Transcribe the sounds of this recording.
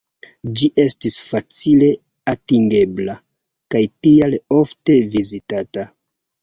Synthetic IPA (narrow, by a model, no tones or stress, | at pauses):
d͡ʒiʔe̞stisfat͡sile̞ | atiŋɡe̞bla | kajtialo̞fte̞vizitata